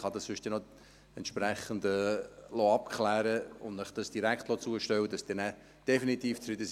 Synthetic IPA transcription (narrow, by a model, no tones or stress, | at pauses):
χɑd̪ɑsfʏʃtɛnɔ | ɛntʃpræχəndəlɔɑp̚kʰlæːɾəʊndnəχd̥ɑsd̥iɾæktlɔt͡suəʃtɛwəd̥ɑsd̥ɪːnæː | d̥ɛfinit̪iːft͡sɾɪdəs